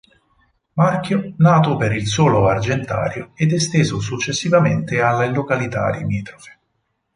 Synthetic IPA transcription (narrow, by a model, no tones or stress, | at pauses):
markjonaːt̪opeɾilsoːloard͡ʒent̪a̰ːɾjoɛd̪ɛst̪eːzos̬ut͡ʃːesːivament̪ealːelokalit̪a̰ːɾḭmiːt̪ɾofe̥